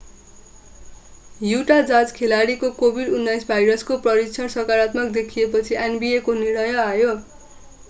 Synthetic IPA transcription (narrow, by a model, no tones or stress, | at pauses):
juʈad͡zad͡zkʰelaɽikokobʱiɖunːajsbʱajɾʌskoprʌɾit͡sʰʌnsʌkaɾat̪mʌk̚d̪ekʰijepʌt͡sʰiʔenbiekonirɽ̃ʌjʌajo